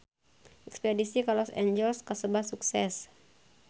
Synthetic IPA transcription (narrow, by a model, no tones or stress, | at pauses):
ʔɛkspedisikalɔsḛɲd͡ʒɛlskasəbahsuksɛs